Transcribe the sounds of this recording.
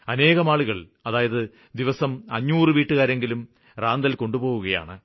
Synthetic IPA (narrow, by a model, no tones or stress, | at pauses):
ɐne̞ːɣɐmaːɭuɣɐɭ | ɐðaːjɐðɨ | d̪iʋɐsɐmɐ̰ɲːuːrɨʋiːʈːɨɣaːɾe̞ŋɡilum | raːnd̪ɐlko̞ɳɖubo̞ːɣuɣɐja̰ːɳɨ